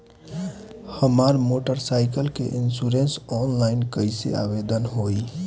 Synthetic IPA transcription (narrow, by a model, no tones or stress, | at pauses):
həmaɾmoʈəɾsaɪkəlkḛʔinsuɾensɔnlaɪnkəɪsḛa̰bed̪ənɦoi